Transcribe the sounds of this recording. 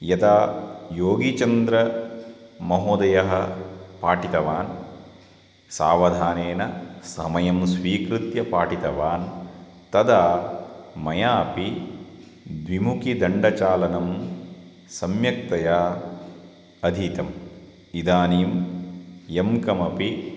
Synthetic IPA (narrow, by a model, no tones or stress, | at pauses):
jɐt̪aːjoːɡit͡ʃɐnd̪ɾɐ | mɐɦoːd̪ɐjɐɦɐpaːʈit̪ɐʋaːn | sa̰ːʋɐd̪ʱaːneːnɐsɐmɐjɐmsʋiːkɾut̪jɐpaːʈit̪ɐʋaːn | t̪ɐd̪aː | mɐjaːpi | d̪ʋimukid̪ɐɳɖɐt͡ʃaːlɐnɐm | sɐmjɐk̚t̪ɐjaː | ɐd̪ʱiːt̪ɐm | id̪aːniːm | jemkɐmɐpi